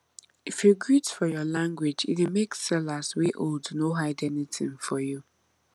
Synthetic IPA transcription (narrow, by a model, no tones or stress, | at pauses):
ifjuɡɹitfɔjɔlãŋɡwɪd͡ʒɪ̰tɪmeksɛlasweʔoldnoɦaɪdɛnitʰḭ̃nfɔju